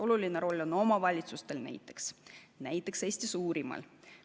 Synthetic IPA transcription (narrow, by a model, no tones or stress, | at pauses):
o̞lulineɾo̞lʲːo̞no̞mɑvɑlʲit̪sust̪e̞lnæ̰jt̪ːˑe̞̥ksnæjt̪ːˑe̞ksesʲt̪isuːɾimɑ̰l